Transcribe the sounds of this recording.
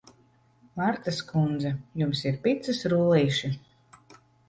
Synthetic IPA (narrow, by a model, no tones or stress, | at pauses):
maɾt̪askund̪zɛjumsiɾpit̪sɨsɾuːliːʃi